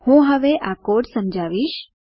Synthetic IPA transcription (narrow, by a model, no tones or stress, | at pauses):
hũɦəʋeʔakoʈsəmd͡ʒʱaʋiʃ